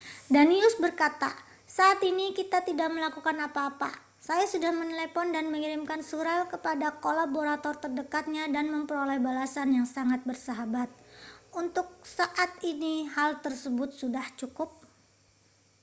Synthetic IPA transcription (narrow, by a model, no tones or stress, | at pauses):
daniʊsbərkat̪a | saʔːt̪inikit̪at̪idaʔ̚məlakukanapaːpa̰ | sajasudahmənəlepɔndanməŋiɾɪmkansuɾalkəpadakolaboɾat̪ɔrt̪ərdəkat̪̚ɲadanməmpəɾolɛhbalasanjaŋsaŋat̪̚bərsaɦabat̪̚ʔunt̪ʊk̚saʔat̪inihalt̪ərsəbʊt̪̚sudaht͡ʃukʊp̚